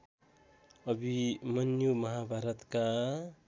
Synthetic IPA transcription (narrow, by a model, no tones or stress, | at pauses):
ʌbʱimənjumʌɦabʱaɾət̪ka